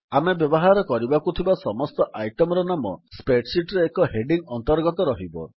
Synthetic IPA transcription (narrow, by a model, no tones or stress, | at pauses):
amebjɔbɔɦaɾɔkɔɾibakut̪ʰibasɔmɔst̪ɔʔajʈɔmɾɔnamɔspeʈsiʈɾeːkɔɦeɖiŋɔnt̪ɔɾɡɔt̪ɔɾɔɦibɔ̰